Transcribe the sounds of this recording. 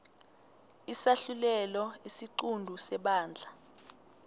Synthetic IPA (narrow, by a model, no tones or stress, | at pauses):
isaɬulɛlɔisiǃundʱusɛɓaːnd͡ɮʱa